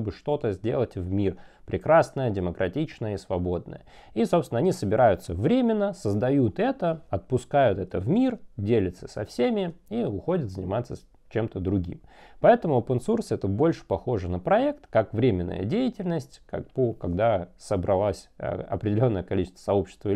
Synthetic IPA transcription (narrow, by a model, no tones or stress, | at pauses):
bɨʂt̪o̞t̪əzʲdʲe̞̰lˠətʲvmʲirpɾʲɪkɾasnəjədʲɪməkɾʔɐtʲit͡ɕnəjəisvɐbod̪̚nə̰jə | isopst̪ʲɪnɐnʲisəbʲɪɾajʊt̪səvɾʲemʲɪnːəsəzd̪ɐjut̪ɛt̪əɐt̪̚pʊskajʊt̪ɛt̪əvmʲirdʲelʲɪt̪səsʲɐfsʲemʲɪiʊxo̞dʲət̪zənʲɪmat̪sːə | t͡ɕe̞mt̪əd̪ɾʊɡʲḭmpɐɛt̪əmʊopənsursɨɛt̪əbo̞lʲʂɨ̥pɐxo̞ʐɨnəpɾɐɛkt̪kakvɾʲemʲɪnːə̰jə̰dʲejɪtʲɪlʲnəsʲtʲka̰k̚pokɐɡd̪asəbɾɐlˠasʲə̰ɐ̰pɾʲɪdʲɪlʲo̞nːəjəkɐlʲit͡ɕɪst̪v̥ə̥sɐopɕːɪ̥st̪və